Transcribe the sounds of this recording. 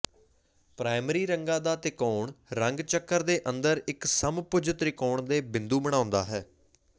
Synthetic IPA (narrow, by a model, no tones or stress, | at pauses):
pɾaːɪmɾiːɾəŋɡãːd̪aːt̪ɪkoːɳɾəŋɡt͡ʃəkːəɾd̪eːʔənd̪əɾɪksəmpʊd͡ʒət̪ɾɪkoːɳd̪eːbɪnd̪uːbəɽ̃ãːʊnd̪a̰ːɦɛː